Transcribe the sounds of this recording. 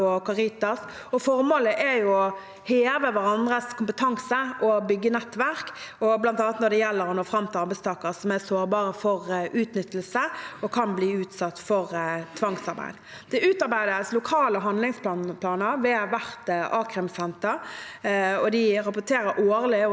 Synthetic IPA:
ɔkɑʁɪt̪ɑs | ɔfɔɾmoːləʔæjʊɔ | heːʋəʋæɾɑnd̪ʁəskʰʊmpət̪ʰɑŋsəʔɔbʏɡːənɛt̪ːʋæʁkɔblɑnt̪ɑːnɑt̪nɔd̪ɛjɛlːəɾɔnoːfʁɑmt̪ʰːɑɾbæɪst̪ʰɑːkəɾsɔmæsoːɾbɑːɾəfɔɾʉːt̪nʏt̪ːəlsəɔkʰɑnbliːʉːt̪sɑt̪ːfɔɾt̪ʰʋɑŋsɑɾbæ̰ɪd̪ | d̪̥ɛʉːt̪ɑɾbæɪd̪əslʊkʰɑːləɦɑnd̪lɪŋsp̪ɑnpʰlɑːnəɾʋɛʋæʁt̪ʔɑːkʁɛmsɛnt̪əɾ | ɔd̪ɪɾɑpʊt̪ʰeːɾəɾʔoːɾlɪ

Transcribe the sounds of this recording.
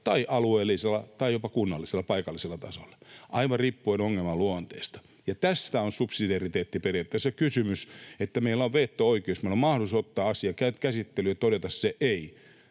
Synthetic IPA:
t̪ɑiʔɑlueːlːiselːˑɑt̪ɑijopɑkunːɑlːˑiselːɑpɑikɑlːˑiselːɑt̪ɑ̰so̰lːɑ̥ʔɑiʋɑripːuinoŋːelmɑluont̪eːst̪ɑ̥ | jɑt̪æst̪æonsupsidɑrit̪eːt̪ːiperijɑt̪ːæsekysymyset̪ːæmeilːæoʋʋeːt̪ːooikieosmeilomɑhosot̪ːɑːɑsiɑkæyt̪kæsit̪ːelyjɑt̪oɾet̪ɑsseʔei

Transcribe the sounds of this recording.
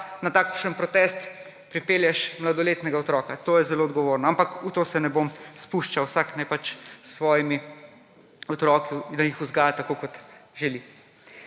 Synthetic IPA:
nat̪aːkʃənpɾɔt̪ɛst̪ | pɾipeːljɛʃmlad̪ɔleːt̪nɛɡaɔt̪ɾɔːkat̪oːjɛzɛloɔd̪ɡɔʋoːɾnɔampakut̪oːsɛnɛbomspuʃt͡ʃawsaknajpat͡ʃsʋɔːjimi | ɔt̪ɾɔːkid̪ajixuzɡaːjat̪akokɔt̪ʒɛli

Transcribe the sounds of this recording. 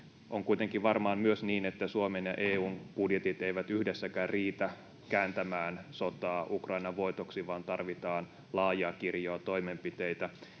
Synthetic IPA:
ʔoŋkuijt̪eŋkiʋɑrmɑːnmyøsniːnet̪ːæsuomenjɑ̰ʔeːuːnb̥udjet̪it̪eiʋæt̪yhdesːækæːrriːt̪æ | kæːnt̪æmæːnso̞t̪ɑːʔukrɑinɑʋʋo̞jt̪oksiʋɑːnt̪ɑrʋit̪ɑːn | lɑːjɑːkirjoːt̪o̞jmempit̪ejt̪æ

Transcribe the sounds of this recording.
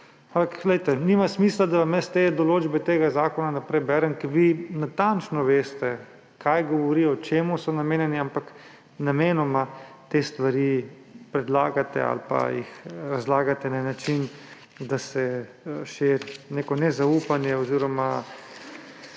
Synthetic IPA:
ampaklɛjt̪ɛnimasmiːslad̪aʋamjɛst̪ed̪ɔloːd͡ʒbɛt̪eːɡazaːkɔnanapɾɛjbɛːɾɛnkɛɾʋinat̪ant͡ʃnɔʋeːst̪ɛ | kʰajɡɔʋɔɾiːɔt͡ʃeːmusɔnameːnjɛniampak | nameːnɔma | t̪est̪ʋaɾi | pɾɛd̪laːɡat̪ɛ̰a̰lpa̰jḭxɾazlaːɡat̪ɛnanat͡ʃin | d̪asɛ | ʃeɾneːkɔnɛzauːpanjɛɔziːɾɔma

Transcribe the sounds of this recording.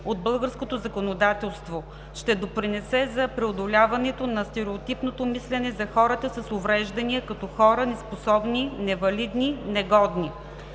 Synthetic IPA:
od̪̚bɤlˠɡəɾskot̪ozɐkonod̪at̪ɛlˠst̪vo | ʃt̪ɛd̪opɾinɛsɛzɐpɾɛod̪olʲavɐnɛt̪onɐst̪ɛɾɛot̪ipnot̪omislɛnɛzɐxɔɾət̪əsɐsovɾɛʒd̪ɐniəkɐt̪ɔxɔɾənɛsposɔbninɛvɐlid̪ninɛɡɔd̪ni

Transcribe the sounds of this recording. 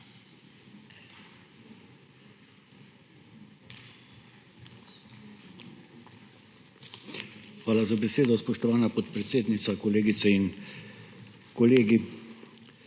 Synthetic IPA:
xʋaːlazabɛseːd̪ɔspɔʃt̪ɔʋaːnapɔt̪pɾɛt̪seːd̪nit̪sakɔleːɡit̪sɛin | koleːɡi

